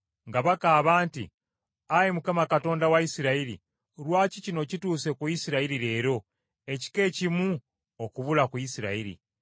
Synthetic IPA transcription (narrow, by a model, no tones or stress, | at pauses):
ŋɡaβakaːβaːntḭ | ajemukamakato̞ːndawaisiɾaiɾḭ | ɾwaːcicino̞cituːse̞kuisiɾaiɾiɾe̞ːɾo̞ | e̞ci̥ke̞ːcimu | okuβulakuisiɾa̰iɾḭ